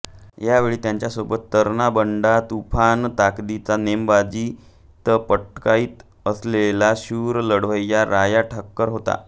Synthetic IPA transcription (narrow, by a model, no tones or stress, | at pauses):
jaʋeɭiːt̪jaɲt͡ɕjasobət̪ːəɾnabəɳɖat̪upʰant̪akd̪it͡sanembad͡ʑi | t̪əpəʈkaiːt̪ | əslelaɕuːɾləɽʋəjjaɾajaʈʰəkːəɾɦot̪a̰